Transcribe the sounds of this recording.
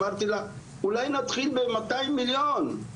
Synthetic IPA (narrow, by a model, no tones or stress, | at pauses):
aɾt̪ila | ulajnat̪χilbemat̪ajmiljon